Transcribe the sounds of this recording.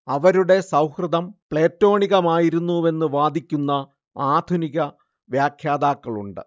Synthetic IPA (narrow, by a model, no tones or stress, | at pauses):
ɐʋɐɾuɽe̞sɐwhrɨd̪ɐmpɭe̞ːtːo̞ːɳiɣɐmaːjiɾunːue̞nːɨʋaːd̪ʱikʲːunːɐ | aːd̪ʱuniɣɐ | ʋjaːkʰjaːd̪aːkːɐɭṵɳɖɨ̰